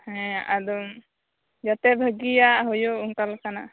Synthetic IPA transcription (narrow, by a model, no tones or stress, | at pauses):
hɛ̃ʔad̪ɔm | d͡ʒat̪ɛbʱəɡijaʔɦɔjouŋkalkana